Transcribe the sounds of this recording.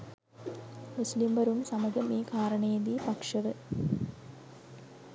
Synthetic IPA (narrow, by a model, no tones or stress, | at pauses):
muslimʋɐɾumsɐmɐɡɐmiːkaːɾɐɳeːd̪ipɐkʂɐʋɨ